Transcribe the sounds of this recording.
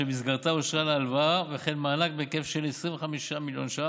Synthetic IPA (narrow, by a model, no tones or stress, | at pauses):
emis̬ɡaʁt̪aoʃʁalalvaveχenmaːnak̚bekefʃelesʁĩɱveχamiʃamiljo̰nʃa